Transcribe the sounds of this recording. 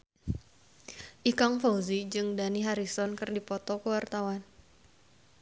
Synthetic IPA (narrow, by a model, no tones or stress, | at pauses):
ʔikaŋfawzid͡ʒɨŋdaniɦaɾisɔnkɨrdipɔt̪ɔkəwart̪awan